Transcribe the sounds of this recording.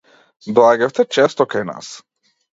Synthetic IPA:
d̪lˠaɡɛft̪ɛt͡ʃɛst̪ɔkajna̰s

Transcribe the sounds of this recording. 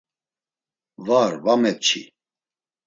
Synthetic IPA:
vaɾvamɛp̚t͡ʃʰḭ

